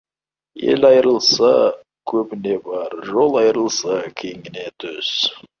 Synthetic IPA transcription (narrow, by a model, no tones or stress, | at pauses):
e̞̰lɑjɾəlˠsɑ | kʲʰɵbɪne̞bɑɾʒo̞lˠɑjɾəlˠsɑkʲʰe̞ŋɪne̞t̪ʰʏz̥